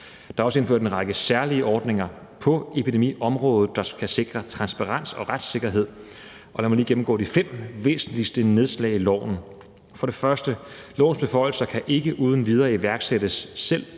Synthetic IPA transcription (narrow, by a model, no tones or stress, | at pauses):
d̥ɑ̈ɒsəe̝nfø̰ɐ̰d̥e̝nʁɑɡ̥əsæɐliəʔɒːd̥ne̝ŋɐ | pʰɒ̽e̝pide̝mḭːɒ̽mʁɔ̽ːð̩ˠd̥ɑ̈kʰæse̝ɡ̥ʁɐt͡sʰʁɑ̈nsb̥ɑʁɑ̈n̰sɒ̽ʁad̥se̝ɡ̥ɐɦe̝ð̞̰ˠ | ʔɒ̽læmɒliːɡ̥em̩ɡ̥ɔ̰ːdifem̰ʋe̝̰ːsn̩lisd̥əne̝ð̞ˠslɛ̰ɪilɒ̰ʊ̰n̩ | fɒ̽ɾ̥e̝fɶɐsd̥əlɒ̰ʊ̰n̩sb̥e̝fɒ̽ɪl̩sɐkʰæʔe̝ɡ̥əʔuːð̞ˠn̩ʋið̞ˠɐːiʋæɐɡ̥seɾəsːel̰